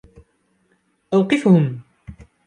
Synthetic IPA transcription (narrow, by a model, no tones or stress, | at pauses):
ʔawqɨfhʊm